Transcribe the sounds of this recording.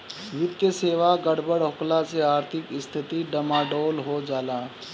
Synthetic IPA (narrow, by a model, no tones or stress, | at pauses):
ʋɪd̪keseːʋaɡɐɽbəɽɦʊklaseaːɾt̪ʰɪkɪst̪ʰɪt̪iɖɐmaːɖoːlɦod͡ʒaːlaː